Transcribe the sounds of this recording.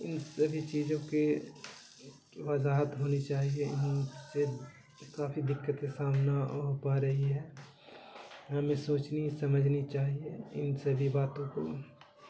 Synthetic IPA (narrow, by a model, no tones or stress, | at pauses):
ɪnsəbʱit͡ʃiːzõke | ʋɐzaːɦət̪ɦoːnit͡ʃaːɦieɪnse | kaːfid̪ɪkːət̪esaːmnaɦopaɾɐɦiɦɛː | ɦɐmẽsoːt͡ʃnisɐməd͡ʒʱnit͡ʃaːɦieɪ̰nsɐbʱibaːt̪õko̰